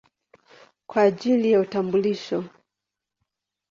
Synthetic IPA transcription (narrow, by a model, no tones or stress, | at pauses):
kwaːʄilijautambuliʃɔ